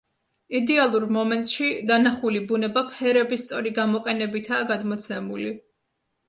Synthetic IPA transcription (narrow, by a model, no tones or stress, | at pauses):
id̪ɛalˠuɾmɔmɛnt̪ʼʃid̪anaχulibunɛbapʰɛɾɛbist̪sʼɔɾiɡamɔqʼɛnɛbit̪ʰaːɡad̪mɔt̪sʰɛmuli